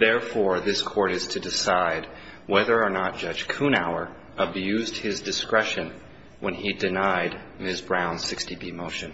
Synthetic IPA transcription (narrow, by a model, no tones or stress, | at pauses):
ðɛɹfɔɹðɪskʰɔɹɾɨz̥tʰɨdɨsaɪd̚ | wɛðə˞ənət̚d̥ʒ̥ʌ̥d͡ʒ̥kʰũñaʊə˞ | əbjʉzd̚hɪzdɨskɹɛʃɨ̃n | wʔə̃nidɨnaɪd̚ | mɪsbɹãʊ̃nsɪkstibimoʊʃɨ̃n